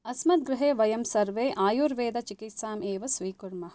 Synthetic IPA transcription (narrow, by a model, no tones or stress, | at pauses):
ɐsmɐt̪̚ɡɾɪɦeːʋɐjɐmsɐɾʋeːʔaːjuːɾʋeːd̪ɐt͡ʃikit̪saːmeːʋɐsʋiːkuɾmɐ